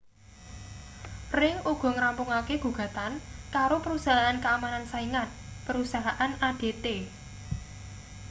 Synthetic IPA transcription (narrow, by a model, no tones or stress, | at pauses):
rɪŋuɡ̥ɔ̤ŋɾampʊŋakeɡ̥ṳɡ̥ä̤t̪ankaɾopəɾusaɦaʔankəamanansaiŋat̪̚ | pəɾusaɦaʔanaɖ̥e̤t̪e